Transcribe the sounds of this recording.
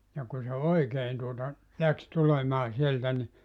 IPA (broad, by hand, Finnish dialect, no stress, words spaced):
jɑ kun̞ se oikeːn tuotɑ læks tulemɑː sieltæ ni